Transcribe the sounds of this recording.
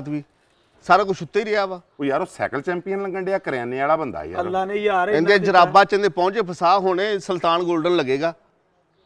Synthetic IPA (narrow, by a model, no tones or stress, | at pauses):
t̪ʋiː | saːɾaːk̬ʊt͡ʃʰʊt̪ːeːiːɾɪaːʋaː | oːijaːɾoːsɛ̰ːkəlt͡ʃɛ̃ːmpɪjənləŋɡəɳɖeːaːkəɾɛːneːaːɽaːbənd̪a̰ːḭːa̰lːaːnejaːɪ̃nd̪eaːd͡ʒəɾaːbaːt͡ʃə̃nd̪eːpɔ̃ːt͡ʃeːpʰəsaːɦoːneːsəlt̪aːnɡoːlɖənləɡeːɡaː